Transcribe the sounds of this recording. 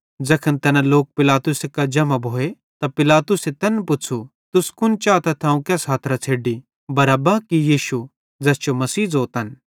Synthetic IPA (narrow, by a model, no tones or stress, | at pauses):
d͡zɐkʰənt̪ɛnãloːk̚pɪlaːt̪ʊsekɐd͡ʒɐmabʱoːe | t̪apɪlaːt̪ʊset̪ɛnpʊt͡ʃʰu | t̪ʊskʊnt͡ʃaːt̪at̪ʰãːũkɛːsɦaːt̪ʰɾat͡sʰeːɖi | bɐɾaːbakijiːʃu | d͡ʒɛːst͡ʃomɐsiːd͡zoːt̪ən